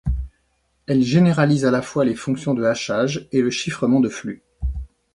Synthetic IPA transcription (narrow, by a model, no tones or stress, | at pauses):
ɛlʒeneʁalizalafwalefɔ̃ksjɔ̃d̪əaʃaʒeləʃifχəmɑ̃d̪əfly